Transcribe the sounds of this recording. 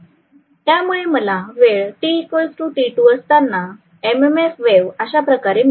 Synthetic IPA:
t̪jamuɭeməlaʋeɭʈikojsʈũʈiʈuəst̪anːa | ememefʋeʋəɕapɾəkaɾem

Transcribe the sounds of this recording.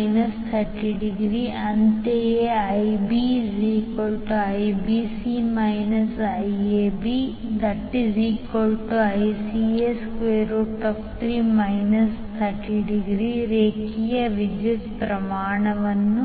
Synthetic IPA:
jnɐst̪ʰɐɾʈiɖiɡɾiːʔɐnt̪eːeɐjbid͡ʒiːkolʈuɐjbiːsimɐjnɐsɐjeːbiːd̪ɐʈːiziːkolʈuɐjsieskʋeːɾuʈɐpʰt̪ʰɾiːmɐjnɐst̪ʰɐɾʈiɖiɡɾiɾeːkijɐʋid͡ʒit̪pɾɐmaːɳɐʋɐnːu

